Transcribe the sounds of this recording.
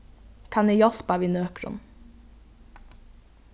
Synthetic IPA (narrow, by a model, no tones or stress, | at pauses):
kʰɑnɛjɔspɑʋinøːkɾʊ̰n